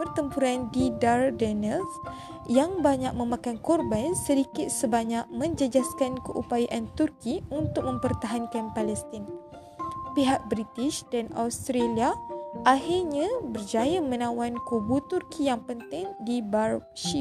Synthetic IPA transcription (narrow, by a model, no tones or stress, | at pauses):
pərt̪əmpuɾandidardɛnɛls | jaŋbaɲak̚mə̃mãkankɔrbansədikɪt̪̚səbaɲak̚mə̃ɲd͡ʒəd͡ʒaskankəʔupajaʔant̪urkiunt̪ʊk̚mə̃mpərt̪aɦankanpalɛst̪ɪn | piɦak̚bɾit̪ɪsdanʔa̰wst̪ɾeliaʔahirɲãbərd͡ʒajamə̃nãwankubut̪urkʰijaŋpənt̪ɪŋdibarʃi